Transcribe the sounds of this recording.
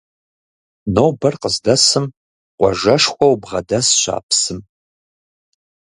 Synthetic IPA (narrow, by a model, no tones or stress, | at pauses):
nowbɐrqəzdɐsɨm | qʷɔʒɐʂxʷʼɔwbʁɐdɐsɕʷa̰ːpʰsɨm